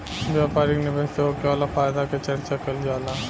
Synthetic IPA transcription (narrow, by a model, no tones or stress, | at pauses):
ʋjaːpaːɾiknebəseokeaːlafaːjd̪aket͡ʃɐɾt͡ʃakɐld͡ʒaːla